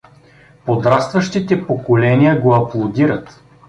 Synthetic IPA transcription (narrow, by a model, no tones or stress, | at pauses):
pod̪ɾast̪vɐʃt̪it̪ɛpokolɛniəɡoɐplˠod̪iɾət̪